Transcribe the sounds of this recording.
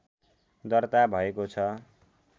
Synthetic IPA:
d̪ʌrt̪abʱʌekot͡sʰʌ

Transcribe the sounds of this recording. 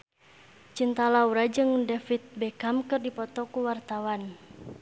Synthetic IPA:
t͡ʃint̪alauɾad͡ʒɨŋdɛfit̪̚bɛkamkɨrdipɔt̪ɔkuwart̪awan

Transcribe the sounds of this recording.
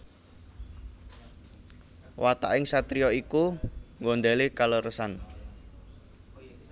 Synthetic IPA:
wʔat̪a̰ʔɪŋsat̪ɾijɔikuŋɡɔnd̪ɛlekaləɾəsan

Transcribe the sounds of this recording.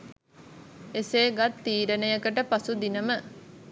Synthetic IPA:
eseːɡat̪ːiːɾənəjəkəʈəpasud̪inəmə

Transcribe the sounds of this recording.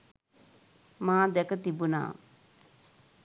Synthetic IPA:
mãːd̪ɛkət̪ibuna̰ː

